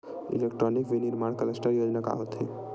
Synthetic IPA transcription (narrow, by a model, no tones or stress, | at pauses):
ḭlek̚ʈɾɔnikʋiniɾmaɳ̃kəlesʈəɾjod͡ʒnaka̰ot̪ḭ